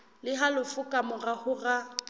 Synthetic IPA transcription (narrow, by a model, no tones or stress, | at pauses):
lɪɦalʊfʊkʼamʊrahʊra